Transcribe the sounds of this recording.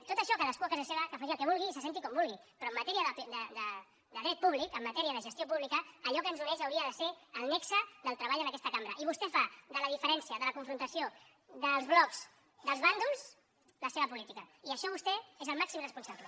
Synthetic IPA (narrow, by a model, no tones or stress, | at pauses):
t̪ot̪əʃɔkaðəskuɐkazaseβəkəfaʒiəlˠkɛβulˠɣisəsent̪ikɔmbulˠɣipɾɔəmːət̪ɛɾiəðəpd̪əd̪ə | d̪əðɾɛt̪̚puβlikəmːət̪ɛɾiəðəʒəst̪jopuβlikəːʎɔkənzunɛʃəwɾiəðəseəlˠnɛksəðəlˠt̪ɾəβaʎənɐkɛst̪əkambɾəʔiβust̪ɛfaðələðifəɾɛnsiəðələkuɱfɾunt̪əsio | ðəlˠzβlɔkz̥ | d̪əlzβand̪ulz | ləseβəpulit̪ikəiəʃɔβ̞ust̪ɛezəlˠmaksimrəspunsaplə